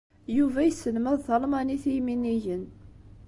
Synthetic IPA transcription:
juvæjsːəlmæðˤθɑlmɑniθijminiʝən

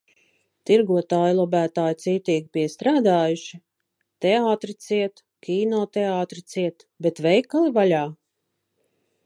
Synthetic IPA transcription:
t̪iɾɡuɔt̪aːjlˠɔbæːt̪aːjt̪siːt̪iːɡʲipiɛst̪ɾaːd̪aːjuʃi | t̪ɛaːt̪ɾit̪siɛt̪ | kʲiːnɔːt̪ɛaːt̪ɾit̪siɛt̪ | bɛt̪vɛjkalˠivalʲaː

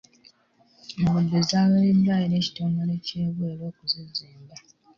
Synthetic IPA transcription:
mumudːezaːwelendajineːci̥toːŋɡole̞ceːβweːlo̞ːkuziziːmba

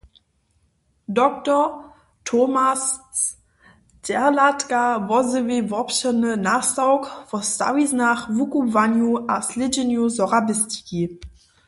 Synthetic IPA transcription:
dɔktɔ | tʰomas | d̥ɛɐlatkavɔzəvevɔpɕənənasaʊkvɔsa̰wisnaχvukuvanjuʔaslɪd͡ʒɪnjuzɔʁabɪsti̥ki

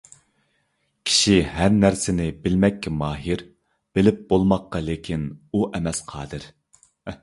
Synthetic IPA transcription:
kʲʰi̥ʃiɦæɾnæɾsɪnɪbɪlmɛkʲːɛmɑːɦiɾ | b̥ɪlɪp̚bolˠmɑqːɑlekʲʰinuʔɛmɛsqʰɑ̰ːd̪ɨɾ

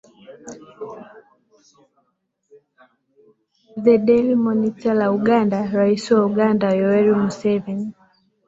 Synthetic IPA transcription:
ðɛɗɛlimɔnitalauɠandaɾaisiwauɠandajɔɛɾimusɛvɛni

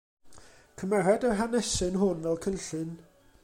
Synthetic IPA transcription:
kʰəmɛɾɛdəɦanɛsɨnɦʊnvɛlˠkʰənɬɨn

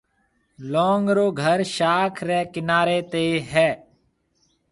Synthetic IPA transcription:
loːŋɡɾoːɡʱəɾʃaːkʰɾɛːkɪnaːɾeːt̪eːɦɛː

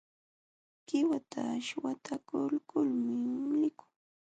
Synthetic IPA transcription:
kɪwat̪ʰaːʃwat̪ʰakʊlkʊlmɪɪlɪkʊ̥ŋ

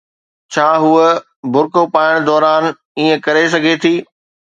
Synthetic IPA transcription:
t͡ɕʰaːɦuə | bʱʊɾkopaːɪɽ̃d̪ɔːɾaːn | iːẽkɐɾes̬ɐɡʱet̪ʰiː

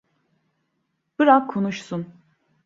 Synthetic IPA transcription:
b̥ɯɾakkʰonuʃsun

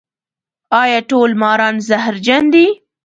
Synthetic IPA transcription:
ɑjɑʈolmɑɾɑnzahɾd͡ʒand̪i

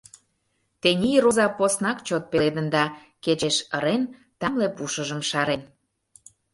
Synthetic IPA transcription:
t̪enʲijɾozɑposnɑkt͡ɕot̪̚peled̪ənd̪ɑ | ket͡ɕeʃəɾen | t̪ɑmlepuʃəʒə̆mʃɑɾen

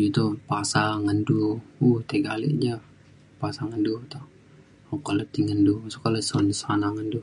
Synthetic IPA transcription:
d͡ʒit̪upasaŋənduuht̪eɡalɛ̰ʔd͡ʒa | pasaŋəndut̪o | okalot̪iŋəndusukalosonsanaŋəndu

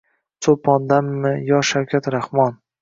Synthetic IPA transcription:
sʰopʰɒnd̪amːɪjɒʃawkʲʰat̪ɾahmɒn

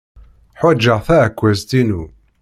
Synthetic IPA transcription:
ħad͡ʒːəʁθækʷːæzt̪inu

